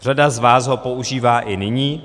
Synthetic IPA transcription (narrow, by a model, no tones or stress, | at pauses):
r̝adazvaːsɦo̞po̞ʔuʒiːvaːʔɪnɪɲiː